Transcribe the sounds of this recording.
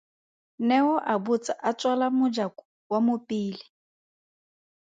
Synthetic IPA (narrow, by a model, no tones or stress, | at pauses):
nɛɔʔabut͡sʼaʔat͡sʼwalamʊd͡ʒakʊ̥ | wamʊpʼiːli